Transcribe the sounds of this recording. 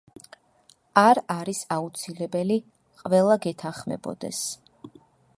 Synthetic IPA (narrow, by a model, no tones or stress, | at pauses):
aɾaɾisaut̪sʰilɛbɛli | qʼvɛlˠaɡɛt̪ʰanχmɛ̰bɔ̰d̪ɛ̰s